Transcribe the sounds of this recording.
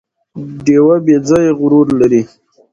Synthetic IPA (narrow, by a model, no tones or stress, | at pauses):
ɖewabed͡zɑjeɣʊɾuɾlaɾi